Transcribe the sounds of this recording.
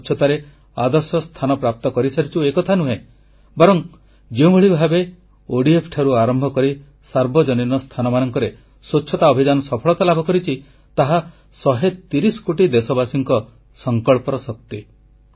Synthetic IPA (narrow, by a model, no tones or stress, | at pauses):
t͡ʃʰɔt̪aɾe | ad̪ɔɾsɔst̪ʰanɔpɾap̚t̪ɔkɔɾisaɾit͡ʃʰuekɔt̪ʰanuɦẽ | bɔɾɔŋ | d͡ʒeũbʱeɭibʱabe | oɽiepʰʈʰaɾuaɾɔmbʱɔkɔɾi | saɾbʱɔd͡ʒɔninɔst̪ʰanɔmanɔŋkɔɾe | sot͡ʃːʃʰɔt̪aɔbʱid͡ʒanɔsɔpʰɔɭɔt̪alabʱɔkɔɾit͡ʃʰi | t̪aɦa | sɔɦet̪iɾiskoʈid̪esɔbasiŋkɔ | sɔŋkɔɭpɔɾɔsɔk̚t̪i